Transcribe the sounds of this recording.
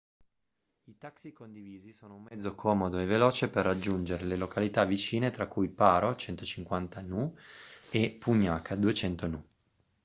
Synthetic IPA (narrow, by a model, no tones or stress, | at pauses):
it̪aksikond̪iviːzisoːnoumːɛd̪zːokʰɔːmod̪oevelɔːt͡ʃeperːad͡ʒːund͡ʒeɾelelokalit̪avit͡ʃiːnet̪ɾakːujpaːɾot͡ʃɛnt̪ot͡ʃiŋkwant̪anu | epːuɲːaːkʰad̪uet͡ʃɛnt̪onu